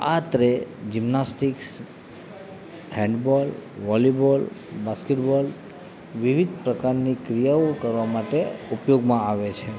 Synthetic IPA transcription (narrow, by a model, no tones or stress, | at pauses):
at̪ɾed͡ʒimnasʈiks | hɛ̃ɳɖbɔlʋɔlibɔlbaskeʈbɔl | ʋiʋid̪ʱpɾəkaɾnikɾijaokəɾʋamaʈeupjoɡmãaʋet͡ʃʰe